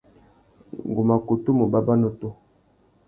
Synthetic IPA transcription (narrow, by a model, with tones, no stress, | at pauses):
ŋ˨ɡu˨ma˨ko˨to˦mo˨ba˦ba˦no˦to˦